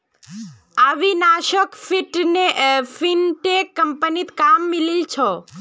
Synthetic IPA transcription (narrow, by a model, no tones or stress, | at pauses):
aʋinaʃəkfiʈnefinʈekːəmpənit̪kamːililt͡ʃʰɔ